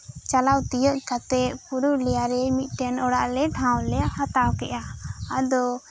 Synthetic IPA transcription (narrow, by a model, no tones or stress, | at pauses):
t͡ʃalawt̪ijəʔ̚kat̪ɛʔpuɾulɛjaɾɛmit̪̚ˀʈɛnɔɽaʔlɛʈʰãwlɛhat̪awkɛʔaad̪ɔ